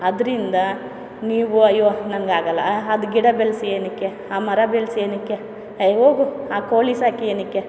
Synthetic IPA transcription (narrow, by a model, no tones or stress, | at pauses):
ɐd̪ɐɾind̪ɐ | niːʋuɐjːonɐŋɡaːɡɐlːɐ̰ɐd̪uɡiɽɐbelsieːnikːe̞ | aːmɐɾɐbelseːnikːe | ɐɦoːɡuaːkoːlisaːkieːnikːe